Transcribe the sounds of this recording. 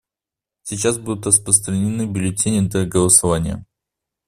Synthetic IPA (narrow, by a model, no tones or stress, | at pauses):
sʲɪt͡ɕas̬bud̪ʊt̪rəspɾəst̪ɾənʲɪnɨbʲʊlʲɪtʲenʲɪd̪əɡəlˠəsɐvanʲɪjə̰